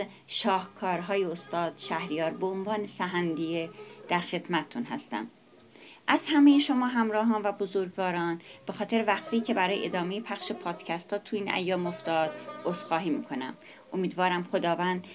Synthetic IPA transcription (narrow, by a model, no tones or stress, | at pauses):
ʃɒːhkʰɒːɾɦɒːjeost̪ɒːd̪̥ʃæhɾijɒːɾboonvɒːnesæɦænd̪ijed̪̥æɾxe̞d̪mæt̪ʰet̪ʰunɦæ̰st̪æ̰m | ʔæzhæme̞jeʃo̞mɒːɦæmɾɒːɦɒːnvæbozoɾɡvɒːɾɒːnb̥e̞xɒːt̪ʰe̞ɾevæxt̪iːcʰe̞bæɾɒːjeʔed̪ɒːme̞jepʰæχʃepʰɒːd̪̥cʰæst̪ʰɒːt̪ʰuiːnæ̰jːɒːmoft̪ɒːd̪̥osxɒːɦiːmḭːkʰo̞næ̰m | omiːd̪vɒːɾæmχo̞d̪ɒːvænd̪̥